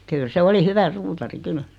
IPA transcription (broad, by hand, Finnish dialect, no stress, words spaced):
kyl se oli hyʋæ suːtɑri kyl